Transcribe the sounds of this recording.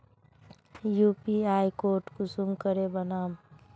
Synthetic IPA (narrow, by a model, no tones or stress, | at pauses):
juːpiaːjkoːʈkusuŋkəɾebənaːm